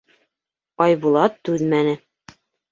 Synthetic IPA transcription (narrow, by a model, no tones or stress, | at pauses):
ɑjbulˠɑt̪ːʉðmænɘ